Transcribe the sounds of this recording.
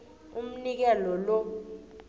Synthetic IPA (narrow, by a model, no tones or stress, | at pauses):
um̩nik̬ɛlɔlɔ